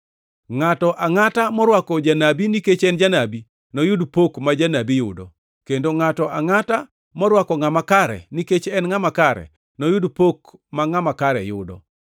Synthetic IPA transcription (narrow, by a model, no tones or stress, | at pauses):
ŋatɔʔaŋatamɔɾwakɔd͡ʒanabiniket͡ʃɛnd͡ʒanabi | nɔjʊdpokmad͡ʒanabijʊ̰dɔ̰ | kendoŋatɔʔaŋata | mɔɾwakɔŋamakaɾɛ̰niket͡ʃɛnŋamakaɾɛ̰ | nɔjʊdpokmaŋamakaɾɛ̰jʊ̰dɔ̰